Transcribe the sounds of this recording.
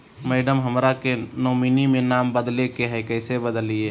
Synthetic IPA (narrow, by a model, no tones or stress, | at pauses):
mɛːɖəmɦəmɾakenoːminimẽnaːmbəd̪lekeɦɛkɛːsebəd̪əlieː